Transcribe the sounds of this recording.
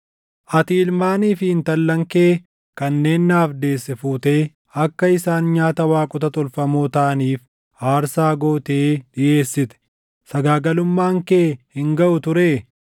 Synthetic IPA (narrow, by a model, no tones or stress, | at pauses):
ʔɐt̪iːlmaːniːfɪhɪnt̪ɐlːɐŋke̞ː | kɐnːe̞ːnːaːfd̪e̞ːsːɛfuːt̪e̞ː | ɐkːɐɪsaːnɲaːt̪ɐwaːkʼʊt̪ɐt̪ʼɔlfɐmoːt̪aːniːf | aːɾsaːɡoːt̪eːᶑɪʔe̞ːsːɪt̪ɛ̥ | sɐɡaːɡɐlʊmːaːŋkeːhɪŋɡɐʔʊt̪ʊɾeː